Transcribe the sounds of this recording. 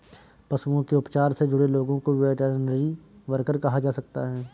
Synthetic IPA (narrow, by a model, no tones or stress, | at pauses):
pɐsuõkeʊpt͡ʃaːɾsed͡ʒʊɽeloːɡõkoʋeʈəɾnəɾiʋɐɾkəɾkɐɦad͡ʒaːsɐk̚t̪a̰ɦɛː